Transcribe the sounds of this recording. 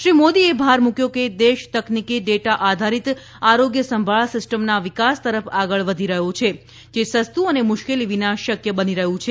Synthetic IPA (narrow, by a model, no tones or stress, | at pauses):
ʃɾimod̪iebʱaɾmũkjoked̪eʃt̪əknikiɖeʈaʔad̪ʱaɾit̪ | aɾoɡjəsəmbʱaɭasɪsʈəmnaʋɪkast̪əɾəfaɡəɭʋəd̪ʱiɾəɦot͡ʃʰe | d͡ʒesəst̪uənemʊʃkeliʋinaʃəkjəbəniɾəɦũt͡ʃʰe